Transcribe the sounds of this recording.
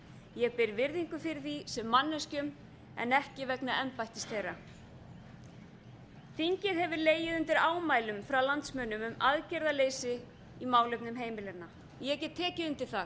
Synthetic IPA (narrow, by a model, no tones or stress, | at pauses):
jɛɣpɪɾvɪɾðiŋkʏfɪɾɪθisɛmːanːɛscʏm | ɛ̰nɛhcɪvɛknaɛmpajht̪ɪst̪θejrːa | fiɲcɪðhɛvɪɾleːjɪðʏnt̪ɪɾaːwmaːjlʏmfɾawlant̪smœnʏmʏmaðcɛɾðaleːjsɪ | imaːwlœɥpnʏmɦeːjmɪlɛɾna | jɛcɛt̪ʰːɛːcɪðʏnt̪ɪ̥θaɣ